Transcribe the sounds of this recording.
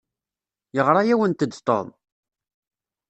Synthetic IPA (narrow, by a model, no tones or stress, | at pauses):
jəʁɾˤɑjæwənt̪əd̪ːt̪ˤːo̰ðˤ